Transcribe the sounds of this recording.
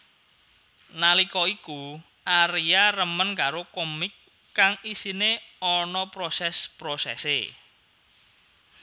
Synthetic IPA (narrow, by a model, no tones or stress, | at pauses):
nalikɔiku | ʔaɾiaɾəmənkaɾokomɪkː | aŋisineɔnɔpɾosɛspɾosɛ̰sḛ